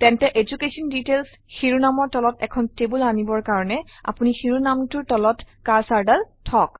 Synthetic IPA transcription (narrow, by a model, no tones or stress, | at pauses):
tɛntɛʔed͡ʒukesɔnditels | xiɹunamɔɹtɔlɔtɛkʰɔntebulanibɔɹkaɹɔnɛa̰punixiɹunamtʊɹtɔlɔtkaɹsaɹdaltʰɔk